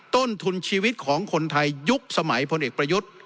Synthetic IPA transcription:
t̪o˥˩nt̪ʰu˧nt͡ɕʰiː˧wi˦˥t̪̚kʰɔː˩˦ŋkʰo˧nt̪ʰa˧jːu˦˥k̚sa˧ma˩˦jpʰo˧nʔeː˨˩k̚pɾa˧ju˦˥t̪̚

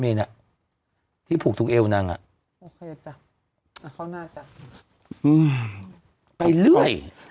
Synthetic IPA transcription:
meː˧na˨˩ʔ | t̪ʰiː˥˩pʰuː˨˩k̚t̪ʰːk̚ʔeː˧wna˧ŋʔa̰˨˩ʔ | o˧kʰeː˧ta˧˩˧ | kʰa˥˩naː˥˩ta˧˩ | ʔɯː˧˩m | pa˧jlɯ˥˩əj

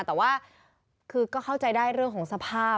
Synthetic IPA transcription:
t̪ɛː˨˩waː˥˩ | kʰɯː˧kɔː˥˩kʰa˥˩wt͡ɕa˧jdaː˥˩jɾɯ˥˩əŋkʰɔː˩˦ŋsa˧pʰaː˥˩

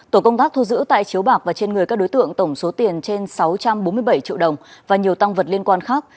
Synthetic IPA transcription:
t̪o˧˩kə˧wŋ͡mt̪aː˦˥k̚t̪ʰu˧zɨ̰˧˥t̪a̰ː˧˨jt͡ɕi˨˦əwɓaː˨˩k̚vaː˨˩t͡ɕe˧nŋɨ˨˩əjkaː˦˥ɗo˨˦jt̪ɨ̰˧˨əŋt̪ə˧˩wŋ͡mso˨˦t̪i˨˩ənt͡ɕe˧nsa˨˦wt͡ɕa˧mɓo˨˦nmɨ˧əjɓə˧˩jt͡ɕḭ˧əɗə˨˩wŋ͡mvaː˨˩ɲi˨˩əwt̪a˧ŋvə˨˩t̚li˧ənkwaː˧nxaː˦˥k̚

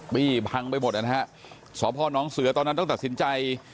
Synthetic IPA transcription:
miː˥˩pʰa˧ŋpa˧jmo˨˩t̪ʔa˨˩na˦˥ɦa˦˥ʔ | sɔː˩˦pʰɔː˧˩nɔː˦˥ŋsɯ˧˦˥ɐt̪ɔː˧nː˦˥t̪ːta˨˩t̪si˩˦nt͡ɕa˧j

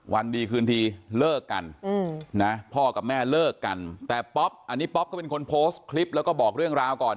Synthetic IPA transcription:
wa˧ndiː˧kʰɯː˧nt̪ʰiː˧lɤː˥˩kːa̰˧n˧na˦˥pʰɔː˥˩ka˨˩p̚mɛː˥˩lɤː˥˩kːa˧nt̪ɛː˨˩pɔ˦˥p̚ʔa˧nːiː˦˥pɔ˦p̚ʰaː˥˩pe˧ŋkʰo˧npʰoː˦˥st̪kʰli˦˥p̚lɛː˦˥wkɔː˥˩bɔː˨˩k̚ɾɯ˥˩əŋɾaː˧wkɔː˨˩n

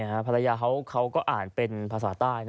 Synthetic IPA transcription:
kʰa˦˥ʔpʰa˧la˧jaː˧kʰa˦˥wkʰa˦˥wkɔː˥˩ʔaː˨˩npe˧npʰaː˧s̬aː˩˦t̪aː˥˩jn

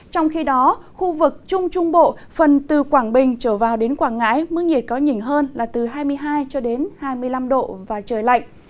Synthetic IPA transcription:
t͡ɕɔ˧wŋ͡mxi˧ɗɔ˨˦xu˧vɨ˨˩k̚t͡ɕʊ˧ŋ͡mt͡ɕʊ˧ŋ͡mɓo̰˧˨fə˨˩nt̪ɨ˨˩kwaː˧˩ŋɓï˨˩ŋ̟t͡ɕəː˧˩vaː˨˩wɗe˨˦nkwaː˧˩ŋŋa̰ː˧˥jmɨ̰˧˥ŋi˨˩ət̚kɔ˨˦ɲï˨˩ŋ̟ɦəː˧nlaː˨˩t̪ɨ˨˩ɦaː˧jmɨ˧əjɦaː˧jt͡ɕɔ˧ɗe˨˦nhaː˧jmɨ˧əjla˧mɗo̰˧˨vaː˨˩t͡ɕəː˨˩jla̰˧˨jŋ̟

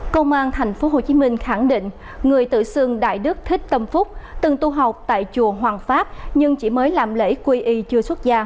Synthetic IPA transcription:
kə˧wŋ͡mʔaː˧nt̪ʰa˨˩jŋ̟fo˨˦ɦo˨˩t͡ɕi˨˦mï˧ŋ̟xa˧˩ŋɗḭ̈˧˨ŋ̟ | ŋɨ˨˩əjt̪ɨ̰˧˨sɨ˧əŋɗa̰ː˧˨jɗɨ˦˥k̚t̪ʰi˦˥k̟̚t̪ə˧mfʊ˦˥k͡p̚t̪ɨ˨˩ŋt̪u˧ɦa˨˩wk͡p̚t̪a̰ː˧˨jt͡ɕu˨˩əɦwaː˨˩ŋfaː˦˥p̚ɲɨ˧ŋt͡ɕi˧˩məː˨˦jlaː˨˩mlḛ˧˥jkwi˧ʔi˧t͡ɕɨ˧əswə˦˥t̚zaː˧

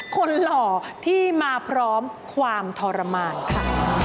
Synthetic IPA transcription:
kʰo˧nlɔː˩t̪ʰiː˥˩maː˧pʰɾɔː˦˥m | kʰwaː˧mt̪ʰɔː˧ɾa˧maː˧nkʰa˦˥˩

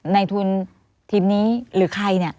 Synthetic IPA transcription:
na˧jt̪ʰu˧n | t̪ʰiː˧mniː˦˥ɾɯː˩˦kʰa˧jni˧˩ɐ

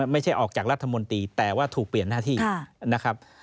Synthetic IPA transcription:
ma˥˩jt͡ɕʰa˥˩jʔɔː˨˩k̚t͡ɕaː˨˩k̚ɾa˦˥t̪ʰːa˧mo˧nt̪iː˧t̪ɛː˨˩waː˥˩t̪ʰuː˨˩k̚pli˨˩ənːaː˥˩t̪ʰiː˥˩˥na˦˥kʰɾa˦˥p̚

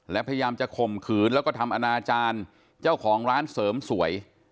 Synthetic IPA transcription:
lɛ˦˥pʰa˧ja˧jaː˧mt͡ɕa˨˩kʰo˨˩mkʰɯː˨˩˦nlɛ˦˥kɔː˥˩t̪ʰa˧mʔa˧naː˧t͡ɕaː˧n | t͡ɕaː˥˩wkʰɔː˩˦ŋɾaː˦˥nsɤː˩˦msu˩˦ɐəj

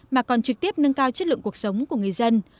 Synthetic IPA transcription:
maː˨˩kɔ˨˩nt͡ɕɨ˨˩k̚t̪i˦˥əp̚nə˧ŋkaː˧wt͡ɕə˦˥t̚lɨ̰˧˨ŋku˨˩ək̚sə˨˦wŋ͡mku˧˩əŋɨ˨˩əjzə˧n

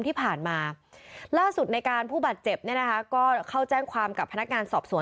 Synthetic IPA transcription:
ŋt̪ʰiː˥˩pʰaː˨˩nmaː˧laː˥˩su˨˩t̪̚na˧jkaː˧npʰuː˥˩baː˨˩t̪̚t͡ɕe˨˩p̚ni˥˩ɐn˦˥kʰa˦˥kɔː˥˩kʰa˥˩wt͡ɕɛː˥˩ŋkʰwaː˧mka˨˩pʰːa˧na˦˥k̚ŋaː˧nsɔː˨˩p̚su˨˩˦

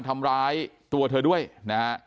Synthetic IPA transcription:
nt̪ʰa˧mɾaː˦˥jt̪u˧ɐt̪ʰɤː˧du˥˩əjna˦

